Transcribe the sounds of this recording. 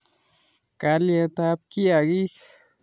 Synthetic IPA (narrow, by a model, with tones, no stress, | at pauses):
ka˧lje˧t̪a˧˦p̚kja˧ɡi˦x